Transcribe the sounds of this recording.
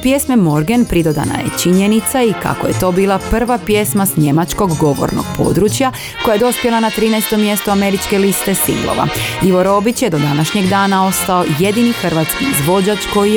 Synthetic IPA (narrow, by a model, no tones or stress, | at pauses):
pje̞smemo̞ɾɡe̞npɾid̪o̞d̪a̰na̰jḛt͡ʃiɲe̞nit̪saika̰koje̞t̪o̞ːbiːlˠapr̩ʋapje̞smasɲe̞mat͡ʃko̞ɡːo̞ʋo̰ɾno̰ɡ̥pʰo̞̰ːd̪ɾut͡ʃja | ko̞jajeo̞spje̞lanat̪ɾiːnɛest̪o̞mːje̞st̪oame̞ɾit͡ʃke̞list̪e̞sḭŋɡlˠo̰ʋa̰iʋo̞ɾo̞bit͡ɕjed̪o̞d̪anaʃɲe̞ɡd̪aːnao̞st̪ao̞je̞d̪inixr̩ʋat̪skizʋo̞d͡ʑat͡ʃko̞ji